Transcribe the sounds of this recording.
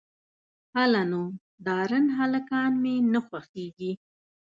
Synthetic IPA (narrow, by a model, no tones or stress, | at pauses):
halano | d̪ɑɾənɦalakɑnmenaxwaxt̪eɡi